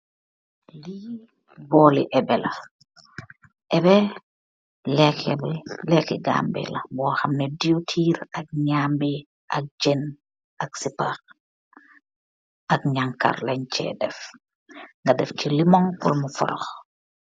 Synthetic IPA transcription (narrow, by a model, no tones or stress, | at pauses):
li | bɔːliʔɛbɛlɐ | ʔɛbɛ | lɛkblɛkiɡa̰ːmbɛ̰lɐbɔːxɐmnɛdijotʰiːɾɐk̚ɲaːmbɛ | ʔɐk̚d͡ʒɛn | ɐk̚sipax | ʔɐkɲaŋka̰rlɐɲt͡ʃɛ̰dɛf | ŋɡɐdɛfcilimɔŋkɔlmufɔ̰ɾɔ̰x